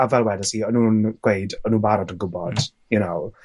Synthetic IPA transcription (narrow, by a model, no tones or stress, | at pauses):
avɛlˠwɛdəsiənũnɡ̥wejdənũːnbaɾɔdənɡʊbɔd̥ | jɨnoʊ